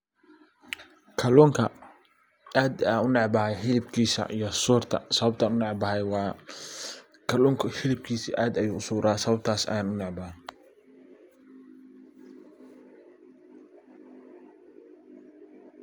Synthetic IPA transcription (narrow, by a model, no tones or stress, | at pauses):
kʰɐlʊːŋkʰɐ | aːd̪aːnʊnɛʕbɐhɛjħɪlɪbkʰiːsɐ̰ʔijɞsuːrt̪ʰɐ̰sɐβɐb̚t̪ʰɐnʊnɛʕbɐhɛjwɑː | kʰɐlʊːŋkʰʊħɪlɪb̚kʰiːsḭːʔaːd̪ɐjuːʊsuːɾʔaːsɐβɐb̚t̪ʰaːsɐ̰jaːnʊnɑʕbɐh